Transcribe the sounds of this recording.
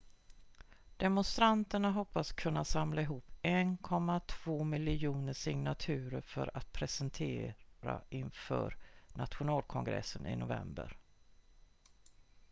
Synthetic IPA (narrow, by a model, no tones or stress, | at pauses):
d̪̥ɛmʊnst̪ɾant̪əɳaɦɔpːaskʰɵnːasamlaɪɦuːpːɛnkʰɔmːat̪ʰv̥oːmɪlɪɪjuːnəʂɪŋnat̪ʰʉ̟ːɾəɾfœɾat̪̚pʰɾɛsənt̪ʰeːɾa̰ɪnfœ̰ːɾna̰t̪ɧʊnɑːlkʰɔŋɡɾɛ̰sːənʔɪ̰nʊvɛ̰mbə̰ɾ